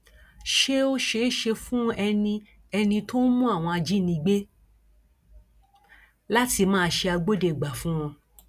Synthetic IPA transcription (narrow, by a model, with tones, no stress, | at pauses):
ʃe˦o˦ʃe˦ʃe˧fũ˦ɛ˧nĩ˧ | ɛ˧nĩ˧to˦mũ˦a˦˨w̃ɔ̃˧a˧d͡ʒi˦˨nĩ˧˦ɡ͡be˦ | la˦ti˧mãː˦˧ʃe˧a˧ɡ͡bo˦de˦˨ɡ͡ba˨fũ˦w̃ɔ̃˧